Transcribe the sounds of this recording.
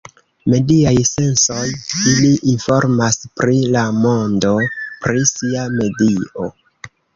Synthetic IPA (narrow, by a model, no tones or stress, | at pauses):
me̞diajse̞nso̞jiliʔinfo̞ɾmaspɾilamo̞ndo̞pɾisiame̞dio